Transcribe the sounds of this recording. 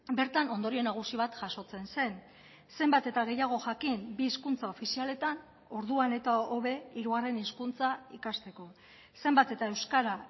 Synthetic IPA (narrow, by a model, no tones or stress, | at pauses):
be̞ɾt̪ano̞nd̪o̞ɾie̞naɣ̞usiβ̞at̪ʝaso̞t͡se̞nse̞n | se̞mbat̪e̞t̪aɣ̞e̞jaɣ̞o̞ʝakimbiːskunt͡sao̞fisiale̞t̪an | o̞ɾðuane̞t̪aoβe̞iɾuɣare̞niskunt͡saikast̪e̞ko̞ | se̞mbat̪e̞t̪ae̞wskaɾa